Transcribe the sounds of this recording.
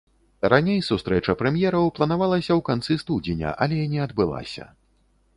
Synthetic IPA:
ɾanʲejsust̪ɾɛt͡ʂɐpɾɛmʲjɛɾɐwplˠɐnavalˠɐsʲɐwkant̪sɨst̪udʲenʲɐ̰ʔalʲɛinʲɛɐd̪bɨlˠa̰sʲɐ̰

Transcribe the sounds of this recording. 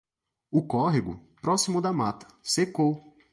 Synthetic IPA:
ʊkɔɦiɡʊ̰pɾɔsimʊd̪ɐmat̪ɐ̥seko

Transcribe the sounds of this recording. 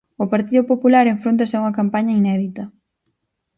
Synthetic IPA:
ʊpaɾt̪iðʊpopulaɾeɱfɾont̪ɐsɪuŋɐkampaɲɐinɛðit̪ɐ

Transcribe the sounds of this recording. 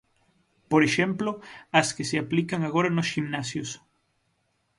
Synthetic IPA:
poɾeʃemploaskeseaplikaŋaɣoɾanosximnasjos

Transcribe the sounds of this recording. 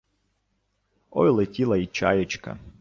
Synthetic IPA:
o̰jlˠetʲilˠɐit͡ʃa̰jət͡ʃkɐ̰

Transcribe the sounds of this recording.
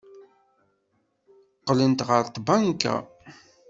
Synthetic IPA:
qːlənt̪ʁəɾt̪ˤbaŋka̰

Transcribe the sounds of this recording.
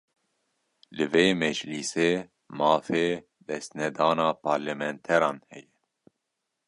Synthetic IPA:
lɨveːmɛd͡ʒliseː | mɑːfeː | d̪ɛst̪nɛd̪ɑːnɑːpʰɑːɾlɛmɛnt̪ʰɛɾɑːnhɛjɛ

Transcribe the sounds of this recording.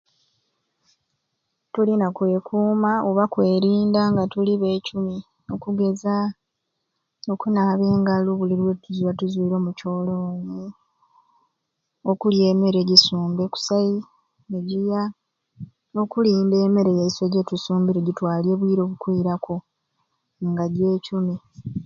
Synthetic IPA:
tulinakwe̞ːkʰuːmaoβakwe̞ːɾiːndaŋɡatuliβe̞ːcumi | o̞kuɡe̞za | o̞kunaβe̞ːŋɡaluβuliɾwe̞tuzwatuziɾo̞muco̞ːlo̞ːɲe | o̞kulje̞ːme̞ɾe̞ɟisuːmbeku̥saji | eɟija | o̞kuliːmbe̞ːme̞ɾe̞jeise̞ɟetusuːmbiɾeɟitwaːlje̞βwiːɾo̞ːβukwiːɾakʰo̞ | ŋɡaɟe̞ːcumi

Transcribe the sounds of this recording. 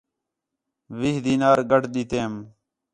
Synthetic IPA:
ʋiːɦd̪iːnaːɾɡəʈɗ̪iːt̪eːm

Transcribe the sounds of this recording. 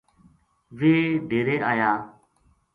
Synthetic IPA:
ʋeːɖʱeːɾeːaːjaː

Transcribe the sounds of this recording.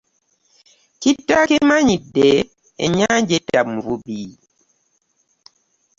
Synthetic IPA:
kitːakemaɲide | ḛɲad͡ʒetamvubiː

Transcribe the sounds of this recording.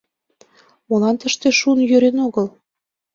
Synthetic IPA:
molɑnt̪əʃt̪eʃunjøɾenoɣəl

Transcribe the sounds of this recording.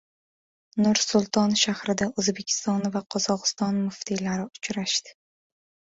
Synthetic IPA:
nʊɾsʊlˠt̪ʰɒnʃahɾɪd̪aɵzbe̞kʲʰɪ̥st̪ɒnvaqʰɒz̥ɒqɨ̥st̪ɒnmʊft̪ʰilaɾɪʊt͡ʃɾaʃt̪ɪ̥

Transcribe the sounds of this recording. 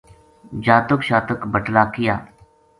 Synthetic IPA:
d͡ʒaːt̪əkʃaːt̪əkbəʈlaːkɪjaː

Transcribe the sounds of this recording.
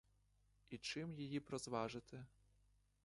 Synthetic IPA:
it͡ʃɪmjijipɾɔzʋɑʐɪt̪ɪ

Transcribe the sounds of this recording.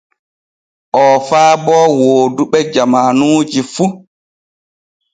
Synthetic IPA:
ʔɔfaːbɔːwoːduɓɛd͡ʒamanuːd͡ʒifu

